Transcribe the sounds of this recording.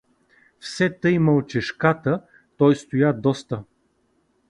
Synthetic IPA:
fsɛt̪əjməlˠt͡ʃɛʃkat̪ə | t̪ɔjst̪ʊjad̪ɔst̪ə

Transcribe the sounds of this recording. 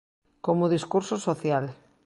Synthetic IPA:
komoðiskuɾsosoθjal

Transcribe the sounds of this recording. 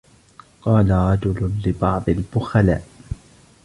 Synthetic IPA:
qɑːlaɾˤɑd͡ʒʊlʊlɪbɑʕd̪ˤɪlbʊxala̰ːʔ

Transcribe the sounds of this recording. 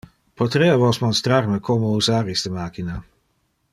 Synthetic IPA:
pot̪ɾeːavɔsmɔnst̪ɾaɾməkʰomouzaːɾist̪əmaːkina

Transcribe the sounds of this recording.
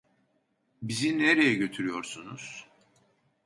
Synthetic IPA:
bizineɾejɛɟø̞t̪ʰyɾyjo̞ɾsunuz̥

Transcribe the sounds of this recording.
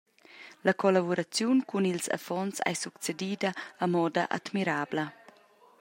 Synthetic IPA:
lakɔlabuɾat͡sjunkunilsa̰fɔnsa̰jsukt͡sed̪iːd̪əːmɔd̪aʔa̰t̪miɾaːblə

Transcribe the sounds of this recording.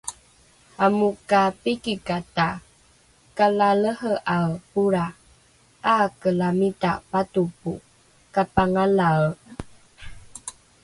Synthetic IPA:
amukapikikata | kalaləhəʔapuɾa | akəlamitapatupu | kapaŋala

